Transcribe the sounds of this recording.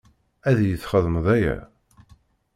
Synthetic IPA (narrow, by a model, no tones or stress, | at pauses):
æðjəθχəðˤəmðˤæjæ̰